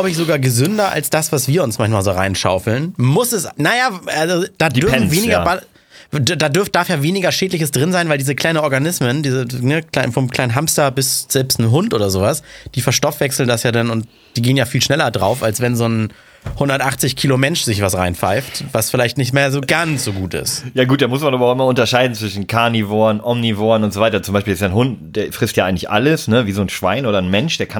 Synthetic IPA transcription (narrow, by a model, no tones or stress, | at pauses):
aʊbəɪçzoɡaːɐɡəzʏndɐʔa̰lsd̥asv̥asv̥iːɐʊnsmançmaːlzoːʁa̰ɪnʃa̰ʊfl̩nmʊsɛsnajaːalzod̥aːdʏɐf̩veːnɪɡɐba | daːdʏɐft̚d̥aɐfjaːveːnɪɡɐʃeːdlɪçəsd̥ʁɪnzaɪnvaɪldiːzəkʰl̥aɪnənɔɐɡanɪsməndiːzənəklaɪfɔnmkʰl̥aɪnɦamstɐbɪsz̥ɛlpstn̩ɦʊntʔoːdɐzoːvasd̥iːfɛɐʃtɔfv̥ɛksl̩ndasjaːdanʊnt̚ | d̥iːɡeːənjaːfiːlʃnɛlɐdʁaʊfalsv̥ɛnzoːn | hʊndɐtʔaχt͡sɪçkʰiːlomɛnʃz̥ɪçv̥asʁaɪnfaɪftvasfɪlaɪçtnɪçtmeːɐzoːɡansz̥oːɡuːtɪ̰stjaːɡuːt̚d̥amʊsmanaːbɐaʊʔɪmɐʊntɐʃaɪdn̩t͡sv̥ɪʃn̩kʰaɐnivoːɐnʔɔmnivoːɐnʊntz̥ovaɪtɐt͡sʊmbaɪʃpiːlɪstjaːnhʊntd̥eːɐfʁ̥ɪstjaʔaɪɡŋ̩lɪçʔa̰ləsnəviːzoːnʃv̥a̰ɪnʔoːɾɐnmɛnʃd̥eːɐkʰa